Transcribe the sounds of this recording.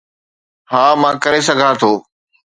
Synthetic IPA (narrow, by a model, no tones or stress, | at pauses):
ɦãːmãːkɐɾesɐɡʱaːt̪ʰoː